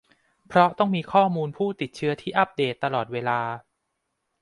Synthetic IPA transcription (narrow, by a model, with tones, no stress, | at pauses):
pʰɾɔ˦˥t̪ɔ˥˩ŋmiː˧kʰɔː˥˩muː˧npʰuː˥˩t̪i˨˩t̪̚t͡ɕʰɯ˦˥ɐt̪ʰiː˥˩ʔa˦˥p̚deː˨˩t̪ːa˧lɔː˨˩t̪̚weː˧laː˧